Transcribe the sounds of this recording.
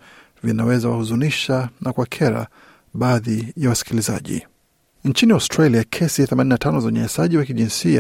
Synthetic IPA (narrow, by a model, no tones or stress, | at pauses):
vinawɛzawahuzuniʃanakwakʰɛɾa̰ | ɓaːðijawasi̥kiliza̰ʄḭ | nt͡ʃiniastɾaliakʰɛsiθɛmaninatanɔzauɲɛɲasaʄiwakiʄinsia